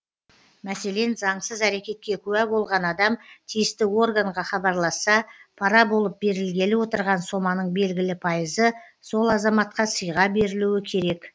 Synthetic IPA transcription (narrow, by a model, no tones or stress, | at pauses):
mæse̞le̞nzɑɴsəzæɾe̞kʲe̞t̪̚kʲe̞kʲʰɵwæbo̞lˠʁɑnɑd̪ɑmt̪ʰijɪst̪ɪo̞rɡaɴʁɑχɑbɑɾlˠɑsːɑpʰɑɾɑbo̞lˠəp̚be̞ɾɪlɡʲe̞lɪwo̞t̪əɾʁɑnso̞mɑnəɴbe̞lɡʲɪlɪpʰɑjəzə | so̞lˠɑzɑmɑt̪̚qɑsəjʁɑbe̞ɾɪluwɪkʲʰe̞ɾe̞k